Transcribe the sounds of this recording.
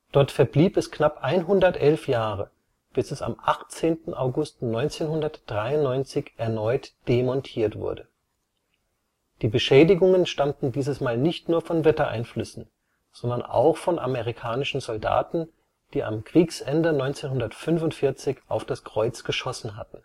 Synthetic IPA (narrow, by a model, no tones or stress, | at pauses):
d̥ɔɐtfɛɐbliːpɛsknapʔaɪnɦʊndɐtʔɛlfjaːʁə | b̥ɪsɛsa̰mʔaχt͡seːntn̩ʔaʊɡʊstnɔʏnt͡seːnhʊndɐtd̥ʁaɪʊnnːɔʏnt͡sɪçʔɛɐnɔʏtd̥emɔntʰiːɐtv̥ʊ̰ɐdə | d̥iːbəʃɛːdɪɡʊŋənʃtamtn̩diːzəsmaːlnɪçtnuːɐfɔnvɛtɐʔa̰ɪnflʏsn̩ | z̥ɔndɐnʔa̰ʊxfɔnʔa̰meʁikʰaːnɪʃn̩zɔlda̰ːtn̩ | d̥iːʔa̰mkʁ̥iːksʔɛndənɔʏnt͡seːnhʊndɐtfʏnfʊntfɪɐt͡sɪçʔaʊfd̥askʁ̥ɔʏt͡sɡ̥əʃɔsn̩ɦa̰tn̩